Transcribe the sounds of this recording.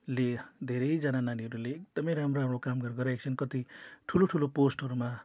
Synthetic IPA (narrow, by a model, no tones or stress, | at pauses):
led̪ʱeɾʌjd͡zanananiɦʌɾuleːk̚d̪̥ʌmʌ̃jɾamroamokamɡʌrɡʌɾaekt͡sʰʌnkʌt̪iʈʰuloʈʰuloposʈʌɾuma